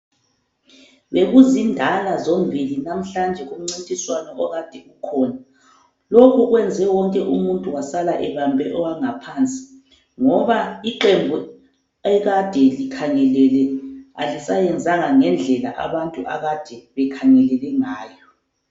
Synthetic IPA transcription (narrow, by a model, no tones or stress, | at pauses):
βeɣuzindʱalazombʱilinam̩ɬand͡ʒʱɛɣom̩ŋ͡ǀintʼiswanɔɔɣad̥ʱɛɣukʰɔːna | lokʰuɣwɛnd͡zʱɛwɔŋkʼɛʔumuntʼuwasalaʔɛβambʱɛʔɔwaŋapʰaːnt͡sʼi̥ | ŋɔβaiǃembʱu | ɛɣad̥ʱɛlikʰaŋɛlɛlɛa̰lisajɛnd͡zʱaŋaŋɛnd͡ɮʱɛla̰ʔa̰βantʼuʔa̰ɣad̥ʱɛβɛkʰaŋɛlɛlɛŋaːjɔ